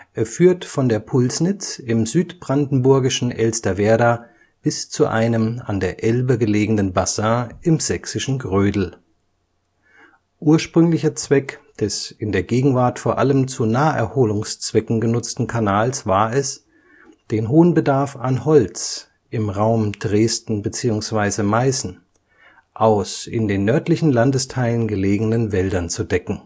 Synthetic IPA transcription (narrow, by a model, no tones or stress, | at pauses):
ʔɛːɐfyːɐtfɔndeːɐpʰʊlsnɪt͡sɪmzyːtb̥ʁandn̩bʊɐɡɪʃn̩ʔɛlstɐvɛɐda | b̥ɪst͡suʔa̰ɪnəma̰ndeːɐʔɛlbəɡəleːɡŋ̩dənbazãːʔɪmz̥ɛksɪʃn̩ɡʁøːdl̩ | ʔuːɐʃpʁ̥ʏŋlɪçɐt͡sv̥ɛkd̥ɛsɪndeːɐɡeːɡŋ̩vaɐtfoːɐʔaləmt͡sunaːəʔɛɐhoːlʊŋst͡sv̥ɛkŋ̩ɡənʊt͡stn̩kʰanaːlsv̥aːɐɛs | d̥eːnɦoːənbədaɐfanhɔlt͡s | ʔɪmʁaʊmd̥ʁeːstn̩bət͡siːʊŋsv̥aɪzəmaɪsn̩ | ʔaʊsɪ̰ndeːnːœɐtlɪçn̩landəstʰaɪlənɡəleːɡŋ̩ənvɛldɐnt͡sudɛkŋ̩